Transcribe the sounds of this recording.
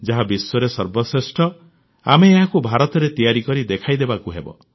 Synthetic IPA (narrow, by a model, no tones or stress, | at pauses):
d͡ʒaɦabisɔɾesɔɾbɔsɾesʈɔ | a̰meːɦakubʱaɾɔt̪ɔɾet̪ijaɾikɔɾid̪ekʰajd̪ebakuɦebɔ̰